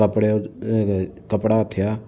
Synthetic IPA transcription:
əpɽe | kəpɽat̪ʰɪjaː

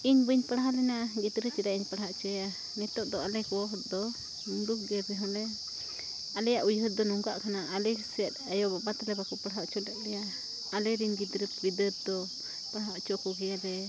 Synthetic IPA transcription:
iɲbəɲpəɽaɦalɛnaɡid̪ɾət͡ʃidaʔiɲpəɽaɦaʔt͡ʃɔɛja | nɛt̪ɔʔd̪ɔalɛkɔɔɦ̪d̪ɔ | mulukɡɛbɛɦɔlɛ | alɛjaʔujɦət̪̚d̪ɔnuŋɡaʔkʰanaalɛsiɛt̪̚ajɔbabat̪alɛbakɔpəɽɦaʔt͡ʃɔlɛt̪̚lɛjaː | lɛɾinɡid̪ɾəp̚bid̪ət̪̚d̪ɔ | pəɽaɦaʔt͡ʃɔkɔɡɛalɛ

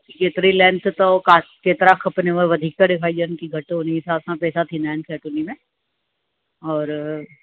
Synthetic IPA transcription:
iɡeːt̪ɾilɛ̃ːnst̪okakeːt̪ɾakʰɐpneʋeʋɐd̪ʱɪk̚t̪aɖɪkʰaːid͡ʒənkiɡʱɐʈɦoniɪsaːsãpɛːsat̪ʰinaːnsɛːʈunimẽ | ɔːɾ

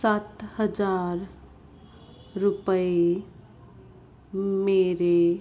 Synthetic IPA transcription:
saːt̪həd͡ʒaːɾ | ɾʊpəe | meːɾe

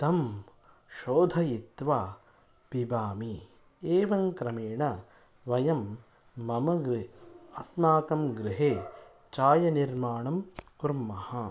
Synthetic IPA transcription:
t̪ɐm | ʃoːd̪ʱɐjit̪ʋaː | pibaːmi | eːʋɐŋkɾɐmeːɳɐ | ʋɐjɐmː | ɐmɐɡɾɐsnaːk̪ɐmɡɾɪɦeː | t͡ʃaːjɐniɾmaːɳɐmkuɾmːɐhɐ

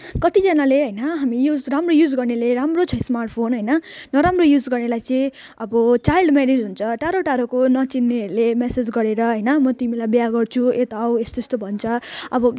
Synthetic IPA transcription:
kʌt̪id͡zʌnaleɦʌjnʌɦamijud͡zramrojud͡zɡʌrneleɾamrot͡sʰʌĩsmarʈ̚pʰonɦʌjnʌnʌɾamrojud͡zɡʌrnelajt͡sʌ̃ĩ | ʌbʌt͡sajlɖmenid͡zɦunt͡sʰʌʈaɾoʈaɾokonʌt͡sinːiʌɾulemesed͡zɡʌɾeɾʌɦʌjnʌmʌt̪imilajbjaɡʌrt͡sʰuet̪awest̪ost̪obʱʌnt͡sʰʌʌbʌ

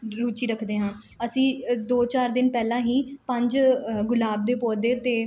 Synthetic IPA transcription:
ɾuːt͡ʃiːɾəkʰd̪eːɦãː | əsĩːd̪oːt͡ʃaːɾd̪ɪnpɛːlãːɦiːpə̃ɲd͡ʒɡʊlaːb̚d̪eːpɔːd̪eːt̪eː

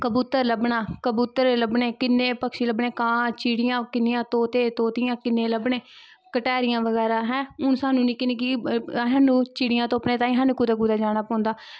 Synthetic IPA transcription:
kəbuːt̪əɾləbɳaːkəbuːt̪əɾeləbɳeːkɪnːeːpəkʃiːləbɳeːkãːt͡ʃiːɽɪjãːkɪnːɪjãːt̪oːt̪eːt̪oːt̪ɪjãːkɪnːeːləbɳeː | kəʈɛːɾɪjãːʋəɡɛːɾaːɦɛ̃ːʊnsaːnũːnĩːkɪnekiɦaːnũːt͡ʃiːɽɪjãːt̪õːəpneːt̪ãːĩɦaːnũkuːd̪aːkuːd̪aːd͡ʒaːnaːpɔ̃ːnd̪aː

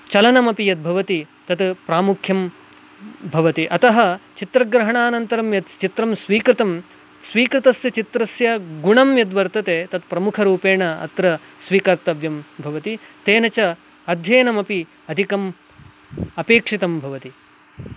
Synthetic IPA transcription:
t͡ʃɐlɐnɐmɐpijɐt̪̚bʱɐʋɐt̪i | t̪ɐt̪pɾaːmukʰjɐm | bʱɐʋɐt̪iʔɐt̪ɐɦɐt͡ʃit̪ɾɐɡɾɐɦɐɳaːnɐnt̪ɐɾɐmjɐt̪t͡ʃit̪ɾɐmsʋiːkɾɪt̪ɐm | sʋiːkɾit̪ɐsjɐt͡ʃit̪ɾɐsjɐɡuɳɐmjɐd̪ʋɐɾt̪ɐt̪eːt̪ɐt̪̚pɾɐmukʰɐɾuːpeːɳɐɐ̰t̪ɾɐsʋiːkɐɾt̪ɐʋjɐmbʱɐʋɐt̪it̪eːnɐt͡ʃɐ | ɐd̪ʱjɐːnɐmɐpi | ɐd̪ʱikɐm | ɐpeːkʂit̪ɐmbʱɐʋɐt̪i

